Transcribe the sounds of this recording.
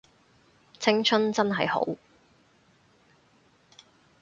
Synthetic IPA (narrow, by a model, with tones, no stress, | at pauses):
t͡sʰɪ˥ŋt͡sʰɵ˥nt͡sɐ˥nɦɐ˨jho̰˨˥w